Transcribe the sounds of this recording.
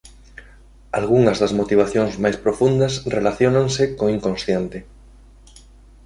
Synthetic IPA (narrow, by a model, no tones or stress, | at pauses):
alɣuŋɐzðɐzmot̪iβ̞aθjoŋzmajspɾofund̪ɐsrelaθjonaŋsɪkoŋiŋkõnsθjent̪ɪ